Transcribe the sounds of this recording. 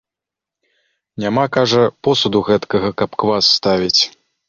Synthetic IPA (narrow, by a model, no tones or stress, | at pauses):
nʲamakaʐɐpɔsud̪uɣɛt̪kɐɣɐkɐpkvasːt̪avʲit͡sʲ